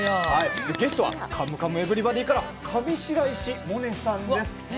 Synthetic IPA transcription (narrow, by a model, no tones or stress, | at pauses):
haid̪eɡe̞sɨ̥t̪o̞βa̰kʰamɯ̟kamɯ̟ebɯ̟ɾʲibad̪ʲiːkaɾa | kʰabʲiɕiɾaiɕimo̞nesãnd̪e̞sɨ̥